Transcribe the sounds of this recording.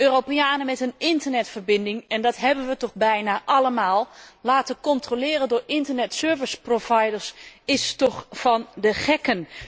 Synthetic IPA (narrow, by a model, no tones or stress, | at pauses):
ʔøːropiaːnəmɛtənɪntərnɛtfərbɪndɪŋɛndɑtɦɛbənʋətɔχbɛjnaʔɑləmaːlˠlaːtəkɔntrolɪːrəndʊːɹɪntəɹnɛtsøːɹvɪsprovajdəɹsɪstɔxfɑndəχɛkən